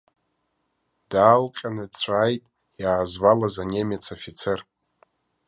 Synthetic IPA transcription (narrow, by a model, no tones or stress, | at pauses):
d̥aːlqʲʼanɨdt͡ɕʷʰaːjtʼ | jaːzwalazanʲemet͡sʰofit͡sʰer